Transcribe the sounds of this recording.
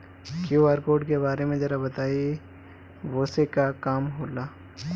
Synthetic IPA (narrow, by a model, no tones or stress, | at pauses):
kijoaːɾkoːɖkebaːɾemẽd͡ʒɐɾabɐt̪aːi | ʋoːsekakaːmɦoːlaː